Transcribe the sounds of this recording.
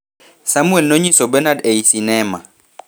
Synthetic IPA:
samuɛlnoɲisɔbɛnadejisinɛːma

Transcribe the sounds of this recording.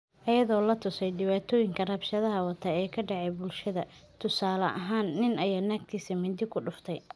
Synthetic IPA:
ʔɐjɐðɔːlɐt̪ʰʊsɛjɖɪβaːt̪ʰɔːjɪŋkʰɐrɐbʃɐðɐɦɐwɐt̪ʰɐɛːkʰɐɖɛʕɛjbʊlʃɐðɐt̪ʰʊsaːlɐʔɐɦaːnːɪnɐjaːnaːk̚t̪ʰiːsimɪnd̪ɪkʰʊɖʊft̪ʰɛj

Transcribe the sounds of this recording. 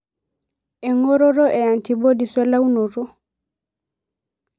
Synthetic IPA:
ɛŋɔɾɔɾɔʔɛantibodiswɛlawnɔɾɔ

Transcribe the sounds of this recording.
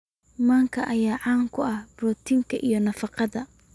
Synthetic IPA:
maːŋkʰɐʔɐjaːʕaːŋkʰʊɐhbɾɔːt̪ʰɪŋkʰɐʔijɞnɐfɑqɑðɐ

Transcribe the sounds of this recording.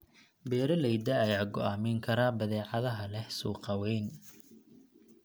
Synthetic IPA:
bɛːɾɐlɛjd̪ɐːjaːɡɔʔaːmɛŋkʰɐɾaːbɐðɛːʕɑðɐɦɐlɛhsuːqɑwɛjn

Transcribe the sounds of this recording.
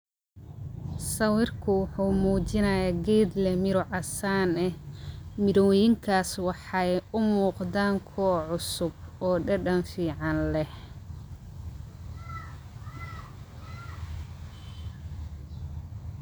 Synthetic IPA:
sɐwɪrkʰʊwʊħuːmuːt͡ʃɪnɐjaːɡɛːd̪lɛmɪɾʊʕɑsaːnɛhmɪɾɔwjɪŋkʰaːswɑħɑjʊmuːqd̪aːŋkʰɔːʕʊsʊb̚ɔːɖɐɖɐnfiːʕɑnlɛh

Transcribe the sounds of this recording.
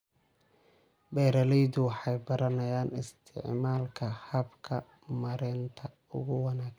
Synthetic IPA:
bɛːɾɐlɛjd̪ʊwɑħɑjbɐɾɐnɐjaːnɪst̪ʰɪ̰ʕmaːlkʰɐhɐbkʰɐ | mɐɾɛnt̪ʰɐ | ʊ̰ɣʊwɑnaːk

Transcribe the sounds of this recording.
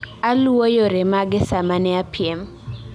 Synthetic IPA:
alwojoɾemaɡɪsamanɛapɪem

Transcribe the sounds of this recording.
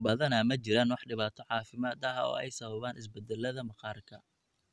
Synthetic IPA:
bɐðɐnɐmɐt͡ʃɪɾaːnwɑħɖɪβaːt̪ʰɔʕɑːfɪmaːd̪ɐɦɐɔ̰ːɛ̰jsɐβɐβaːnʔɪsbɛd̪ɛlːɐðɐmɐqɑːrkʰɐ

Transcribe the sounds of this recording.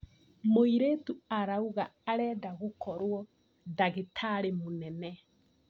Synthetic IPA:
moiɾetuaɾauɣaːɾɛːdaɣokʰɔɾwɔ | daɣetʰaɾemonɛnɛ

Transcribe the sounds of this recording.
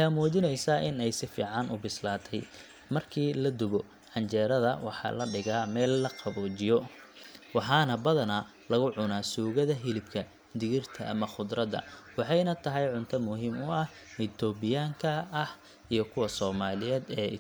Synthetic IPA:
wħɑjɐmuːt͡ʃɪnɛjsaːʔɪnɛjsɪfḭːʕɑnʔʊbɪslaːt̪ʰɛj | mɐrkʰiːlɐd̪ʊɣɔ | ħɐnt͡ʃɛːɾɐðɐwɑ̰ħɑ̰ːlɐɖɪɣaːmɛːlːɐqɑβɔːt͡ʃɪjɔ | wɑħɑːnɐbɐðɐna | lɐɣʊʕʊnaːsuːɣɐðɐɦɪlɪbkʰɐ | d̪ɪɣɪrt̪ʰɐʔɐmɐχʊd̪ɾɐd̪ɐ̰wɑħɑjnɐt̪ʰɐɦɛjʕʊnt̪ʰɐmʊɦiːmʊɐh | ɪt̪ʰɔːbɪjaːŋkʰɐːh | ijɞkʰʊwɐsɔːmaːlɪjɛːd̪ɛːɪ̰

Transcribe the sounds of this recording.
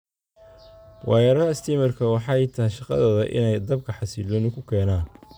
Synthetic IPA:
wʔɑjɐɾɐɐst̪ʰimɐrkʰɐwɑħɑjt̪ʰɐɦɛjʃɑqɑ̰ðɔːðɐʔɪ̰nɛjd̪ɐb̚kʰɐħɑsiːlɔnʊkʰʊkʰɛːnaːn

